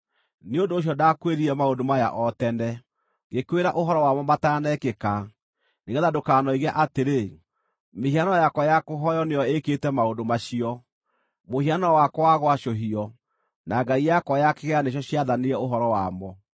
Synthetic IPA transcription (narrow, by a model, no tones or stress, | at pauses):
neondoːɕ̬jɔdakweɾiɾɛmaodomaja̰ʔɔtɛnɛ | ɡekweɾaʔoɦɔɾɔwamɔmatanɛkeka | neɣɛðadokaːnɔiɣɛʔateɾe | meɦianɔjakɔjakoɦɔjɔneɔeketɛmaondomaɕiɔ | mohianɔwakwaɣwaɕoɦiɔ | naɡaijakɔjakeɣɛaneɕ̬ɔɕiaðaneɾɛoɦɔɾɔwa̰mɔ